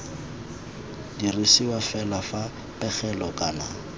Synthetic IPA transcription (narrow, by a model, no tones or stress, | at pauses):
dirisiwafɛlafa | pʼɛχɛlɔkʼaːna